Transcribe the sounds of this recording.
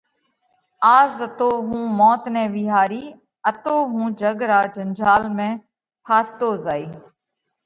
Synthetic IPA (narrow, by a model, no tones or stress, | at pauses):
aːzət̪oːɦũːmɔːt̪nɛ̃ːʋɪɦaːɾiː | ət̪oːɦũːd͡ʒəɡɾaːd͡ʒənd͡ʒaːlmẽː | pʰaːt̪oːzaːiː